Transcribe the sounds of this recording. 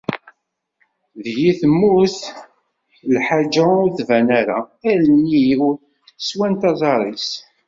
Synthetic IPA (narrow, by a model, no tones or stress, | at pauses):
ðjiθəmːuθ | lħad͡ʒaʊɾθvænæɾaælni | swænt̪ɑzˤɑɾˤis